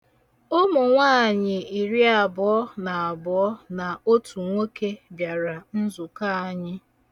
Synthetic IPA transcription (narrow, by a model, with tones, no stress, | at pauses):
o˦mʊ˨ŋʷaː˦˨ɲɪ˨i˨ɾi˦a˨bʊ˨˦ɔ˦na˨a˨bʊ˨ɔ˦na˨o˦tu˨ŋʷe˦ke˦bja˨ɾa˨n̩˦zʊ˨ka˦a˨ɲɪ˦